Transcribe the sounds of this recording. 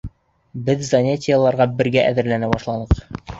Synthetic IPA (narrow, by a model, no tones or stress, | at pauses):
bɘðzonʲetʲɪjalˠɑɾʁɑbɘ̆ɾɡæʔæðɘ̆ɾlænæbɑʃlˠɑnɤq